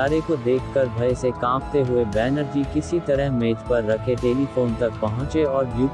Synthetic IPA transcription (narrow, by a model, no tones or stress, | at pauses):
aːɾekod̪eːkʰkɐɾbʱɐjsekãːpt̪eɦʊebɛːnəɾd͡ʒikɪsit̪ɐɾəɦmeːt̪pɐɾːɐkʰeʈeːlifoːnt̪ɐk̚pɐɦʊ̃t͡ʃeɔːɾjuː